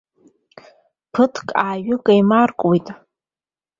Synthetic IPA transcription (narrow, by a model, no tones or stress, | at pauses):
pʰɨtʰkʼaːɥɨkʼajmarkʼwijtʼ